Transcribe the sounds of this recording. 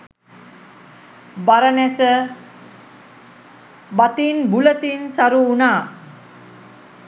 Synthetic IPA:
baɾənesə | bat̪inbulət̪insaɾuːna

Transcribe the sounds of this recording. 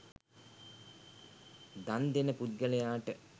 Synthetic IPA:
d̪and̪enəpud̪̚ɡələjaːʈə

